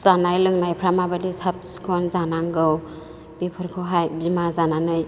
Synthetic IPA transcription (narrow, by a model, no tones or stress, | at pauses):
z̥anajlɯŋnajpʰɾamabadisap̚skʰɔnzanaŋɡɯw | b̥ipʰɯɾkʰɯɦajbimazananɯj